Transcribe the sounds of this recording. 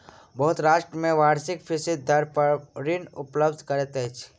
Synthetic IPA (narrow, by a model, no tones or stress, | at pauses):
bəɦʊt̪ɾaːʃʈɾəmẽʋaːɾsɪkpʰɪsɪd̪̚ːəɾpəɾɾinʊpləbd̪ʱkəɾet̪ɛt͡ʃʰ